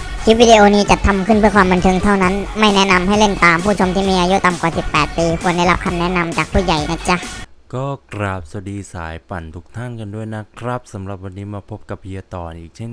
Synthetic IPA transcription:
kʰi˦˥p̚wiː˧diː˧ʔoː˧niː˦˥t͡ɕa˨˩t̪ʰːa˧mkʰɯ˥˩npʰɯ˥˩ɐkʰwaː˧mba˧nt̪ʰɤ˧ŋt̪ʰa˥˩wna˦˥nma˥˩jnɛ˦˥na˧mha˥˩jle˥˩nt̪aː˨˧mpʰuː˥˩t͡ɕʰo˧mt̪ʰiː˥˩miː˧ʔaː˧ju˦˥t̪a˨˧mkwaː˨˩si˨˩pːɛː˨˩t̪̚piː˧kʰu˧˥ənda˥˩jla˦˥p̚kʰa˧mnɛ˦˥na˧mt͡ɕaː˨˩k̚pʰuː˥˩ja˨˩jna˦˥t͡ɕa˦˥˩kɔː˥˩kɾaː˨˩p̚sa˧diː˧sa̰ː˩˦jpa˨˩nt̪ʰu̥˦˩k̚t̪ʰa˥˩nka˧ndu˥˩əjna˦˥kʰɾa˦˥p̚sa˨˩˦mɾa˨˩p̚wa˧nːiː˦˥maː˧pʰo˦˥p̚ka˨˩p̚ji˧ət̪ɔː˨˩nʔiː˨˩k̚t͡ɕʰe˥˩n

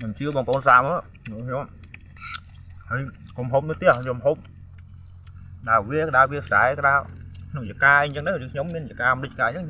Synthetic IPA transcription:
kʰɲo˧mt͡ɕɨ˧əɓɔː˧ŋpəʔoː˧nsaː˧mə | nu˧kɲo˧m | həː˧j | ko˧mɦoː˧p̚nɨ˧ət̪i˧əhɲo˧mɦoːp̚ | kɗaəʋi˧əkəɗa˧ʋi˧əsa̰˨ɛkəɗa˧nu˧ja˩kaː˧iɲt͡ɕə˧ŋt̪a˧kʰɲo˧mːiənja˨kaː˧˨ɗɨ˧c̚kaː˧ɲt͡ɕə˧ŋkʰɲ

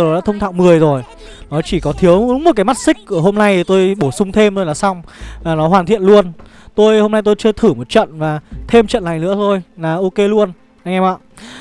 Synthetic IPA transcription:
ɗaː˧˥t̪ʰə˧wŋ͡mt̪ʰa̰ː˧˨wmɨ˨˩əjzo˨˩j | nɔ˨˦t͡ɕi˧˩kɔ˨˦t̪ʰi˨˦əwu˨˦ŋ͡mo˨˩t̚kaː˨˦jma˦˥t̚sï˦˥k̟̚kːɨ˧˩əɦo˧mna˧jt̪o˧jɓo˧˩sʊ˧ŋ͡mt̪ʰe˧mt̪o˧jlaː˨˩sa˧wŋ͡maː˨˩nɔ˨˦ɦwaː˨˩nt̪ʰḭ˧˨ənlu˧ən | t̪o˧jho˧mna˧jt̪o˧jt͡ɕɨ˧ət̪ʰɨ˧˩mo˨˩t̚t͡ɕə̰˧˨nvaː˨˩t̪ʰe˧mt͡ɕə̰˧˨nla˨˩jnɨ̰˧˥ət̪ʰo˧jlaː˨˩ʔo˧ke˧lu˧ən | ʔa˧jŋʔɛ˧ma̰˧˨

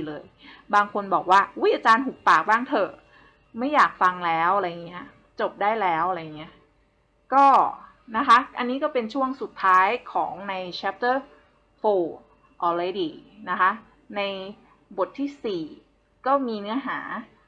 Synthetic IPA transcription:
lɤː˧j | baː˧ŋkʰo˧nbɔː˨˩k̚waː˥˩ʔu˦˥jʔaː˧t͡ɕaː˧nɦu˨˩k̚paː˨˩k̚baː˥˩ŋt̪ʰɤ˨˩ | ma˥˩jːaː˨˩k̚fa˧ŋlɛː˦˥wʔa˧ɾa˧ja˨˩ŋi˦˥ɐ | t͡ɕo˨˩p̚daː˥˩jlɛː˦˥wʔa˧ɾa˧ja˨˩ŋːi˦˥ɐ | kɔː˥˩ | na˦˥kʰa˦˥ʔa˧nːiː˦˥kɔː˥˩pe˧nt͡ɕʰu˥˩əŋsu˨˩t̪ʰːaː˦˥jkʰɔː˩˦ŋna˧jt͡ɕʰɛ˦˥p̚t̪ɤː˥˩ | foː˧ | ʔɔː˧ɾe˧diː˧na˦˥kʰa˦˥ | na˧j | bo˨˩t̪ʰːiː˥˩siː˨˩ | kɔː˥˩miː˧nɯ˦˥ɐɦaː˩˦

